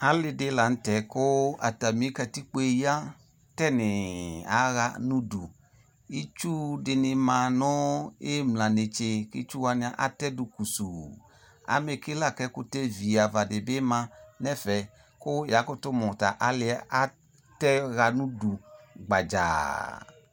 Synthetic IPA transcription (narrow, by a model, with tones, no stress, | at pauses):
a˨˦lɪ˧dɪ˨˦la˨n̩˦tɛ˨kʊ˦a̰˨ta˨mĩ˨˦kɛ˧ti˦k͡po˦e˧ja˦ | tɛ˦nɪ˨a̰˨˦ɣa˧˦nũ˦du˨ | i˦t͡ʃu˦dɪ˧nɪ˧mã˨nʊ̃˦e˦mlã˨nɪ˨t͡ʃe˧ki˦t͡ʃu˦wa˧nɪ̃˨˧a˨ʔa˦tɛ˦du˨ku˨su˨ | a̰˨˦me˧ki˦la˦˨kɛ˦kʊ˦tɛ˦vi˨a˨va˨dɪ˨bɪ˦mã˧nɛ˦fɛ˨ | kʊ˦ja˨˦kʊ˦tʊ˦mɔ˨ta˨ʔa˨lɪ˧a˦a˦ | tɛ˦ɣa˧nũ˦du˨ɡ͡ba˨d͡ʒa̰˨